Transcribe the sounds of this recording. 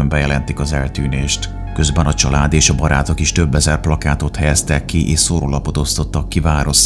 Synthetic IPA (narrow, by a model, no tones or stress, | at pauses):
ømbɛjɛlɛnt̪ikɒzɛlt̪yːneːʃt̪ | kø̞zbɛnɒt͡ʃɒlaːd̪eːʃɒbɒɾa̰ːt̪o̞kiʃt̪ø̞bːɛzɛrplɒkaːt̪o̞t̪hɛjɛst̪ɛkːiʔeːʃsoɾolɒpo̞t̪o̞st̪o̞t̪ːɒkːivaːɾo̞ʃ